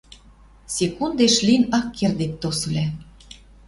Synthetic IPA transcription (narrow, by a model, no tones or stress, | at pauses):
sʲekund̪eʃlʲinɑkːerd̪et̪t̪osɤ̆lʲæ